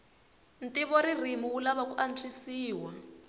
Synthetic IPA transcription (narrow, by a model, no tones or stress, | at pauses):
n̩tiβɔɾir̤imuwulaβakuʔan̩t͡sʰisiːwa